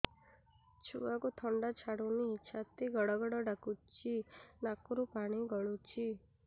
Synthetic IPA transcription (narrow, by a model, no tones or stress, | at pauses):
t͡ʃʰuakut̪ʰɔɳɖat͡ʃʰaɽuniːt͡ʃʰat̪iɡɔɽɔɡɔɽɔɖakut͡ʃinakɾupaɽ̃iɡɔɭut͡ʃʰi